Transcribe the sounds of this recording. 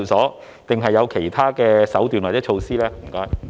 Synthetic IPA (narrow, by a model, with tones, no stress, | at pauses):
wsɔː˨˥ | t̪ɪ˨˩ŋɦɐ˨jːɐ˨˧wkʰe˨˩jt̪ʰaː˥kɛː˧sɐ˨˥wt̪yː˨nwaː˨˩t͡sɛː˨˥t͡ʃʰo˧wsiː˥lɛː˥m̩˨˩kɔː˥j